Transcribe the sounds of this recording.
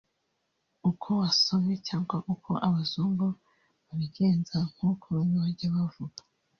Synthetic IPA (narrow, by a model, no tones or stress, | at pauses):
ukʰo̞waso̞mɲecaːŋɡwaʔukʰoʔaβazuːŋɡo | βaβiɡeːnzaŋ̥hukʰoɾumoaɟaβavuɡa